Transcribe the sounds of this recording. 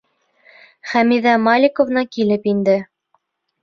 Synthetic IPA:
χæmiðæmɑlʲikovnɑkilɘpind̪ɘ

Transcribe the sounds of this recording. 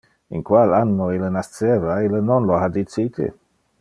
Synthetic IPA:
inkwalanːoilnast̪sevailnonload̪it͡siːt̪ʰḛ

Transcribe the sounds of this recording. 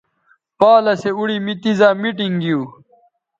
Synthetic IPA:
paːlɐseuɽimit̪izaːmiʈiŋɡiuː

